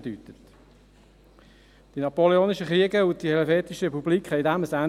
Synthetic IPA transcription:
dyt̪ət̪ | d̥inɑpoleoːniʃəχɾiəɡəʊt̚d̥ihɛlɛfeːt̪iʃəɾɛpubliːkχhɛɪdæməsæn

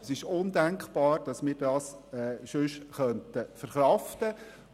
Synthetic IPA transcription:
sɪʃʊndæŋkχb̥ɑːɾd̥ɑsmɪːɾdɑːsɛːʃʏʃχœnt̪əfəɾχɾɑftə

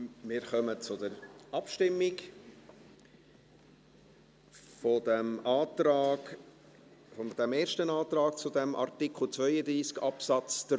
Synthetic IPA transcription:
mɪːɾχœmət͡sʊd̪əɾɑpʃtɪmːɪk | fɔd̪æmɑːtɾɑːɡ | fɔd̥̪æmeːɾʃtənɑːt̪ɾɑːkt͡sʊd̪ɛmʔɑ̰ɾtɪkʰχl̩ˠt͡svœʏəd̪ɾiːskɑpsɑt͡st̪

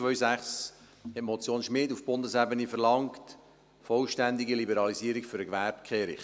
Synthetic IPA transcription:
t͡sʋœʏsæχs | hɛtmɔt͡sjoːnʃmɪːdufb̥ʊndəsæbənifəɾlɑŋkt | fɔlʃtændiɡilibəɾɑliziːɾikfʏɾəɡʋæɾpkʰeːɾɪ̰χ

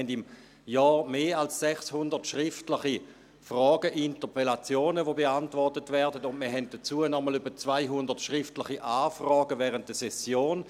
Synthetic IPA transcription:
ɛndim | jɔːʁmeːalsːɛχshʊndətʃʁɪftlɪχi | fʁɔːɡəʔintəpelat͡sjoːnəvobeantvɔʁtətvɛɐdətʊndməɐɦɛnt̚d̥ət͡suːənɔməlybɐt͡svaɪɦʊndətʃʁɪftlɪχiʔaːfʁɔːɡəvɛʁənt̚d̥əsɛsjoːn

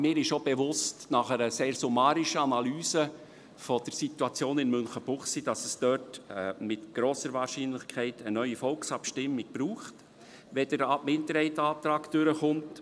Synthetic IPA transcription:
mɪːɾɪʃobeʋʊstnɑχəɾəseːrsumɑːɾiʃəɑnɑlyːsə | fɔd̥əɾsituɑt͡sjoːnɪnmʏnχəb̥ʊχsid̥ɑsəsd̥œrtːmɪtɡ̥ɾɔːsəɾvɑːrʃinlɪχkʰɛɪtənœʏifɔlksɑpʃtɪmːiɡ̥̚b̥ɾuːχt | ʋɛdəɾɑbmɪnd̪əɾhɛɪtɑːt̪ɾɑːkd̥ʏɾəχʊnt

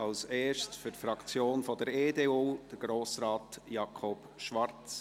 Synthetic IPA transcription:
ɑlseːʃtfʏɾtfɾɑkt͡sjoːnfɔd̥əɾeːdeːuːd̥əɾɡ̥ɾoːsɾɑːtjɑkʰɔp | ʃʋɑrt͡s

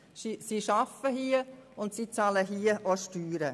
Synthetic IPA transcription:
sisiʃɑfəhiəʊndsit͡sɑləɦiəʔoʃtyːɾə

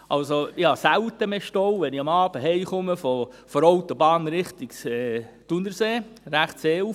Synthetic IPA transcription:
ʔɑlsojɑːsæwt̪əmeʃtɔwʋɛniɑmɑːb̥əɦɛɪχʊməfo | fɔɾɔwt̪obɑːnɾɪχt̪ɪksɛtunəɾseːɾæχtseːu

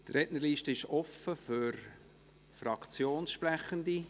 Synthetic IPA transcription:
t̪ɾɛʔnəliːʃtəɪʃɔfəfyɾ | frɑkt͡sjoːnsʃpræχəndi

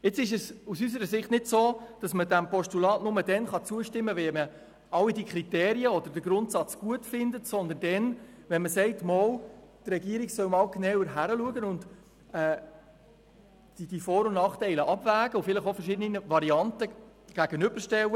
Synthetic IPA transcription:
ɪt͡sɪʃəsusys̬əɾəsɪχtnɪdsoːd̥ɑsmədæmpɔʃtulɑːtnʊmədɛnχɑt͡suəʃtɪmːəʋɛmə | ɑlːidikɾitɛːɾiəɔd̥̪əɾdəɡ̥ɾʊntsɑt͡sɡ̥uətfɪndətsɔnd̪əndɛn | ʋɛnməsɛɪtmɔːltrɛɡiəɾiɡ̥sœwmɑːlknɛwəɾɦæɾəluəɡənʊnd | ɛː | d̥id̥ifɔːɾʊnnɑːχtɛɪləʔɑbvæːɡ̥əʊfɪləχofərʃɪdəniəvɑɾiɑntə | ɡ̥æɡ̥ənʏb̥əɾʃtɛwə

